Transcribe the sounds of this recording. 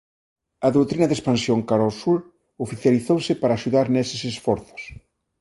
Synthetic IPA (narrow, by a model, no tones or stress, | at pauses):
ɐðowt̪ɾinɐðespansjoŋkaɾosuɾ | ofiθjaliθowsɪpaɾaːʃuðaɾnesɪsesfɔɾθʊ̥s